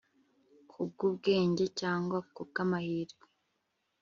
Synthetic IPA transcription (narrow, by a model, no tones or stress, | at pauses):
kʰub̚ɡubɡe̞ːɲɟe̞caːŋɡwakub̚ɡamahiːɾiɡe